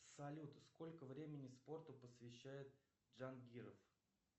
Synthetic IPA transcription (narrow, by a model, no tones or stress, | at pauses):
sɐlʲut̪sko̞lʲkəvɾʲemʲɪnʲɪspo̞rt̪ʊpəsvʲɪɕːæjɪt̪̚ | ʐanɡʲiɾəf